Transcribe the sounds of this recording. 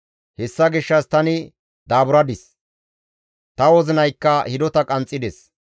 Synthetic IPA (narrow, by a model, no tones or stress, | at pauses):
hɛsːɐɡɪʃːɐst̪ɐnɪ | d̪aːbʊɾɐd̪ɪs | t̪ɐwɔzɪnɐjkːɐhɪd̪ɔt̪ɐkʼɐnt͡sʼːɪd̪ɛs